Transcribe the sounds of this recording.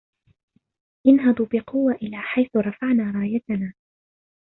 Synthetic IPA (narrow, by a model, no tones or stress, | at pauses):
ʔɪnɦɑd̪ˤuːbɪqʊwːaʔɪlaːħajθʊɾˤɑfaʕnaːɾˤɑːjat̪anaː